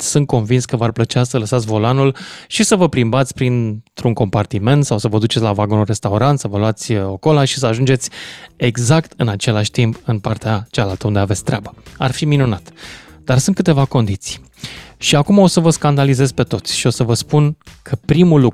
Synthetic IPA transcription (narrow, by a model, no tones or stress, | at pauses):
sɨnt̪̚ko̞nvinskəvarplət͡ʃeasələsat̪sʲvo̞lanulʃisəvəpɾimbat̪sʲpɾint̪ɾuŋko̞mpart̪ime̞nt̪sawsəvəd̪ut͡ʃe̞t̪sʲlavaɡonulre̞st̪auɾant̪səvəlwat̪sʲoko̞laʃi̥səaʒund͡ʒe̞t̪sʲe̞ɡzakt̪ɨnat͡ʃe̞laʃʲt̪impɨnpart̪eat͡ʃalalt̪əund̪eavesʲt̪ɾeabə̥a̰rfiminunat̪d̪arsunt̪̚kɨt̪e̞vako̞nd̪it̪si̥j | ʃiakumao̞səvəskand̪alize̞zpe̞t̪o̞t̪sʲʃio̞səvəspunkʰəpɾimulːuk